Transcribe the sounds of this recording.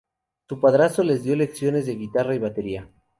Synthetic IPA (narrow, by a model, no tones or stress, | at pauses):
supaðɾasole̞zðjo̞le̞ksjo̞ne̞zðe̞ɣit̪araiβ̞at̪e̞ɾia